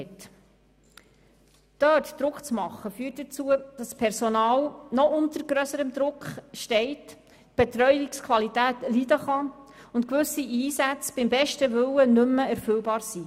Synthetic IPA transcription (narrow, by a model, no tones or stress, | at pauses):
ɛt | d̥œːtd̪̥ɾʊkt͡smɑχːəfyːtd̥ət͡suəd̥ɑspʰɛɾsɔnɑːlnɔʔʊnt̪əɾɡɾœsəɾəmd̪ɾʊkχʃtɛɪt | b̥et̪ɾœʏjɪkskʰʋɑlitæːtlidəχɑʊntkʋɵsiʔiːsæt͡sb̥ɪmbɛʃtəʋʏwənɵmːəæɾfʏlbɑːɾsi